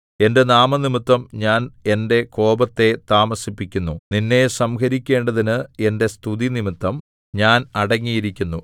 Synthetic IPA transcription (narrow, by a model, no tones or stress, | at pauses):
e̞nde̞naːmɐnimit̪ːɐmɲaːne̞nde̞ko̞ːbɐt̪ːe̞t̪aːmɐsipːikʲːunːuninːe̞sɐmkɐɾikʲːe̞ːɳɖɐðinɨe̞nde̞st̪ʰuðinimit̪ːɐm | ɲaːnɐɽɐŋːijiɾikʲːunːu